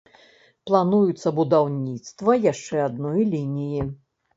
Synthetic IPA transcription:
plˠanujut̪sːɐbud̪awnʲit̪st̪vɐjaʂt͡ʂɛad̪nɔjlʲinʲiji

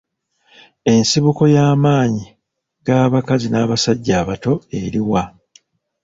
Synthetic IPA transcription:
e̞nsiβuko̞jaːmaːɲi | ɡ̥aːβakazinaːβasaɟːaːβato̞e̞ɾiwa

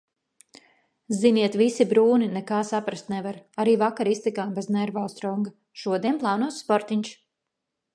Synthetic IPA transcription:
ziniɛt̪visibɾuːninɛkaːsapɾast̪nɛvaɾaɾiːvakaɾist̪ikaːmbɛznɛɾvalˠsɾɔŋɡa | ʃuɔd̪iɛnplˠaːnuɔssspɔɾt̪iɲʲt͡ʃ

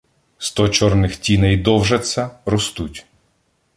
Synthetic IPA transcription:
st̪ɔt͡ʃɔrnɪxtʲinɛjd̪ɔwʒɐt͡sʲːɐɾɔst̪utʲ

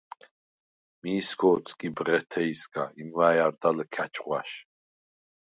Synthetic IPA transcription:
miːsɡʰɔːt̪sʰʼɡʼibʁɛt̪ʰɛisɡʼa̰imwaːjaɾd̪aləkʰat͡ʃʰʼχwa̰ʃ

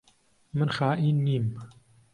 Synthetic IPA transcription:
mɨnxaːʔiːnːiːm

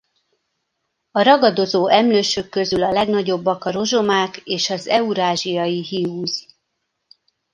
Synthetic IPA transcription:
ɒɾɒɡɒd̪o̞zoːʔɛmløːʃøkːø̞zylɒlɛɡnɒɟo̞bːɒkɒɾo̞ʒo̞maːkeːʃɒzɛuɾaːʒijɒjiɦiuːz

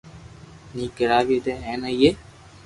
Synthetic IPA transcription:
nĩːɡəɾaːʋiːd̪eːɦeːnəiːeː

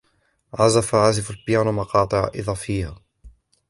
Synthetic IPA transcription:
ʕazafaʕazɪfalbjaːnmɑqɑːt̪ˤɨʕa̰ʔɪ̰ðˤɑːfiːha

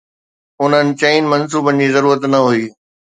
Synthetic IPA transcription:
ʊn̤ənɪ̆t͡ɕɐɪnmɐns̬uːbənɪd͡ʑiːzɐɾuːɾət̪nɐɦuiː

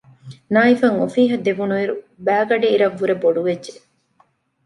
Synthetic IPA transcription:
naːifɐŋofiːɦɐd̪eʋunuiɾu | bæːɡɐɖiiɾɐʋːuɾeboɖuʋedd͡ʒe

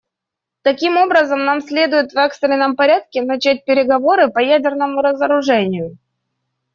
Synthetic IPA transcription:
t̪ɐkʲimo̞bɾəzəmnamsʲlʲe̞d̪ʊjɪt̪vɛkst̪ɾʲɪnəmpɐɾʲat̪̚kʲɪnɐt͡ɕæt̚ʲpʲɪɾʲɪɡɐvo̞ɾɨpɐjædʲɪrnəmʊɾəzəɾʊʐɛnʲɪjʊ

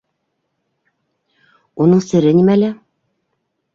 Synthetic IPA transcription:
unɤɴsɘ̆ɾɘnimælæ

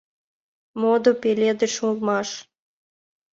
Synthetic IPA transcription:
mod̪opelʲed̪ĕʃmulˠmɑʃ

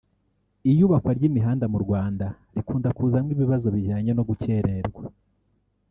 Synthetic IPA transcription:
ijuːβakwaɾɟimiɦaːndamuɾɡwaːnda | ɾikuːndakuːzamŋiβiβazo̞βiʒaːɲono̞ɡuce̞ɾe̞ɾɡwa

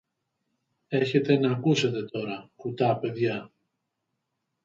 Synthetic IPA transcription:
e̞çe̞t̪e̞nɐːkuse̞t̪e̞t̪o̞ɾɐkut̪ɐpe̞ðʝɐ

